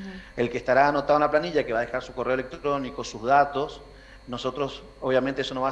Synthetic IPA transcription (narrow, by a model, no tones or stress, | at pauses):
elkest̪aɾaːno̞t̪aðunaplaniʎake̞βaðexaɾsuko̞reolek̚t̪ɾo̞nikosuzðat̪o̞s | no̞so̞t̪ɾo̞s | oβjamẽnt̪eeso̞noβa